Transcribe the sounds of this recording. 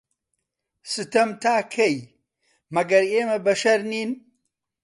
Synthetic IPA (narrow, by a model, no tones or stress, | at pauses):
sɨt̪ɐmt̪ʰaːkʰɐj | mɐɡɐɾeːmɐbɐʃɐɾniːn